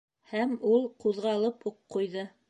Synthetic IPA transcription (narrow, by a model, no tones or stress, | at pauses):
hæmulˠquðʁɑlˠɤphuqːujðɤ